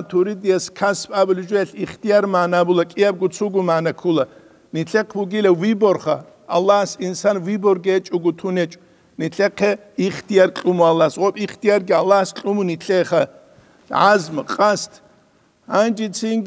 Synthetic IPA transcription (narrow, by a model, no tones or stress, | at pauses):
t̪ʰuɾid̪ijɛskʰaspʼabluʒʷɛɛɬiχt̪ʰijaɾmaːnabulɐkʼijab̚ɡut͡sʰuɡumaːnɐkʰulɐ | niɬʰɛqʰbuɡilɛwibɔrχa | alːahsinsanwibɔrɡɛt͡ʃʼuɡut̪ʰunɛt͡ʃʼ | niɬɛqʰɛ | iχt̪ʰijarkʼumualːasʁɔpʼiχt̪ʰijarɡialːahst͡ɬʼumuniɬʰɛχɐ | ʕa̰zmqʼast̪ʰ | and͡ʒit͡sʰiŋɡ